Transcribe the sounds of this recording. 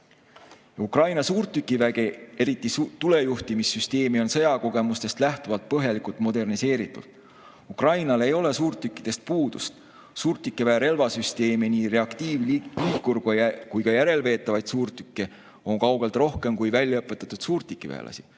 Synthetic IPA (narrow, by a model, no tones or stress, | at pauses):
jɑukrɑjnɑsuːrt̪ːykːˑivæɡ̥e̞e̞ɾit̪ːˑit̪ule̞juht̪imisːyst̪e̞ːmio̞nsɤjɑko̞ɡ̥e̞must̪e̞st̪læht̪uvɑlt̪̚pɤɦjɑlikult̪mo̞d̪e̞rnise̞ːɾit̪ːˑṵlt̪ːˑ | ukrɑjnɑlejo̞le̞suːrt̪ːˑykːˑid̪̥e̞st̪̚puːd̪̥ust̪ | suːrt̪ːˑikˑːevæːɾe̞lvɑsyst̪e̞ːminiːɾe̞ɑkt̪iːvliːkkːurɡojkujkɑjæɾe̞lve̞ːt̪ˑːɑvɑjd̪̥suːrt̪ykːe | o̞ŋkɑwɡ̥e̞lt̪ro̞hke̞mkujvælʲjɑɤpːˑe̞t̪ːˑɑt̪ːˑud̪̥suːrt̪ˑikːˑivḛːlʔɑ̰si̥